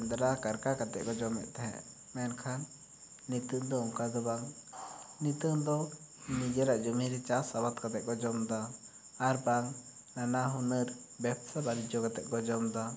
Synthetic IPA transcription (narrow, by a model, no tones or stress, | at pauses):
nd̪ɾakaɾkakat̪ɛʔ̚kɔd͡ʒɔmɛ̰ʔ̪̚t̪aɦɛ̰ʔ | mɛnkʰanː | it̪əŋd̪ɔɔŋkad̪ɔbaŋ | nit̪əŋd̪ɔ | nid͡ʒəɾaʔd͡ʒumiɾɛt͡ʃasabat̪kat̪ɛʔ̚ˀkɔd͡ʒɔmd̪aː | ɾbaŋ | nanaɦunəɾbɛp̚sabaɾid͡ʒɔkat̪ɛʔ̪̚kɔd͡ʒɔmd̪a